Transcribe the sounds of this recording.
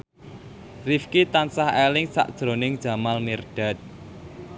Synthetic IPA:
rifkit̪ansahelɪŋsa̰ʔd̥ʒ̥ɾo̤nɪŋd̥ʒ̥ä̤malmirɖ̥a̤t̪̚

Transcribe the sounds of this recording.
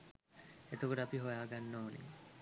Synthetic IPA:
et̪okoʈəapiɦojaːɡanːoːnḭ

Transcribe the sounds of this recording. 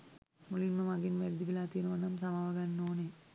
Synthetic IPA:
mulinmɐmɐɡinʋɛɾd̪iʋilaːt̪inoʋɐnɐmsɐmaʋɐɡanːoːne

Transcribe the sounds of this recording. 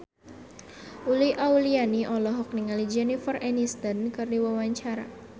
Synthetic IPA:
uliʔaulianiʔɔlɔɦɔk̚niŋalid͡ʒɛnifɔrɛnist̪ənkɨrdiwawaɲt͡ʃaɾa̰

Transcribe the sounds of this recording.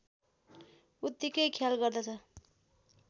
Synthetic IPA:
ut̪ːikʌjkʰjalɡʌrd̪ʌt͡sʰʌ

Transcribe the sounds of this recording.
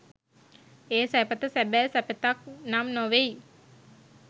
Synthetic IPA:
eːsæpət̪əsæbæːsæpət̪ak̚namnoʋei

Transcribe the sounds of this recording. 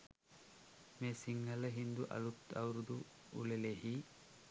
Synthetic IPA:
meːsiŋːɐlɐɦind̪uʔɐ̰lut̪ːɐwɾud̪u | ṵlelehi

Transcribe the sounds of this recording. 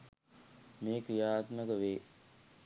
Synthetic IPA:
meːkɾijaːt̪məkəʋeː

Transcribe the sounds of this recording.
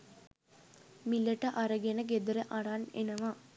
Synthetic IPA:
milːɐʈːɐʔɐɾɐɡenɐɡ̬ed̪ɐɾɐʔɐɽaːnḛnɐʋaː

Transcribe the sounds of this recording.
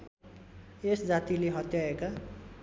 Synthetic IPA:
esd͡zat̪ileɦʌt̪jaeka

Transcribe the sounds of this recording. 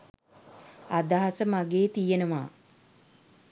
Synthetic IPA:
ad̪aɦasəmaɡeːt̪ijenəʋa̰ː

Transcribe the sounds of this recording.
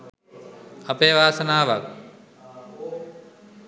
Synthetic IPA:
ɐpejʋaːsənaːʋak̚

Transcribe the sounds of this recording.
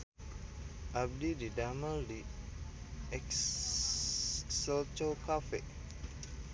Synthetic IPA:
ʔab̚dididaməldi | ɛk | səlt͡ʃokafe

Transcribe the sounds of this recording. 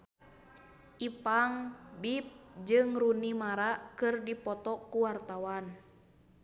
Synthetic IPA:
ʔipaŋbip̚d͡ʒɨŋrunimaɾakɨrdipɔt̪ɔkuwart̪awan

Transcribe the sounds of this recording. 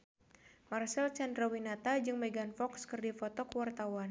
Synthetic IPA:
marsɛlt͡ʃɛnd̪ɾawinat̪ad͡ʒɨŋmɛɡanfɔkskɨrdifɔt̪ɔkəwart̪awan

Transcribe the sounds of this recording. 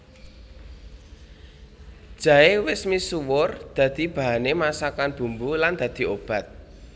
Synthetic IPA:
d̥ʒ̥ä̤ewɪsmisuwʊrd̪̥ä̤d̪̥i̤b̥a̤ɦanemasakanb̥ṳmbuland̪̥ä̤d̪̥i̤ob̥a̤t̪̚

